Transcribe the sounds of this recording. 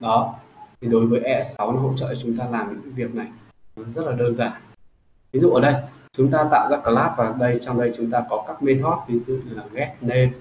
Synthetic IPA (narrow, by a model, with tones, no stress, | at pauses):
ɗɔ˨˦t̪ʰi˨˩ɗo˨˦jvəː˨˦jʔɛ˧˥sa˨˦wna˨˦ɦo̰˧˨t͡ɕə̰ː˧˨t͡ɕʊ˨˦ŋ͡mt̪aː˧laː˨˩mɲɨ̰˧˥ŋ˧˦vi˨˩ək̚na˨˩j | nɔ˨˦zə˦˥t̚laː˨˩ɗəː˧nzaː˨˩n | vi˨˦zṵ˧˨ʔəː˧˩ɗə˧jt͡ɕʊ˨˦ŋ͡mt̪aː˧t̪a̰ː˧˨wza̰ː˧˥kaː˨˩laː˦˥t̚vaː˨˩ɗə˧jt͡ɕɔ˧wŋ͡mɗə˧jt͡ɕʊ˨˦ŋ͡mt̪aː˧kɔ˨˦kaː˦˥k̚me˧t̪ʰɔ˦˥t̚vi˨˦ŋzɨ̰˧˨ɨ˨˩laː˨˩ŋɛ˦˥k̚ne˧